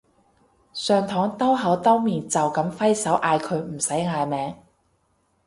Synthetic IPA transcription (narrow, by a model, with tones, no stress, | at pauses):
sœː˨ŋt̪ʰɔː˨˥ŋt̪ɐ˥wɦɐ˨˥wt̪ɐ˥wmiː˨nt͡sɐ˨wkɐ˨˥mfɐ˥jsɐ˨˥wʔaː˧jkʰɵ˨˧ɥm̩˨˩sɐ˨˥jŋaː˨˧jmɛː˨˥ŋ